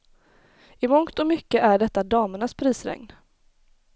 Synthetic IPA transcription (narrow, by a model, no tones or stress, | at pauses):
ɪmɔŋt̪ɔmʏkːəʔæɖɛt̪ːad̪ɑːməɳaspʰɾiːsɾɛ̰ŋn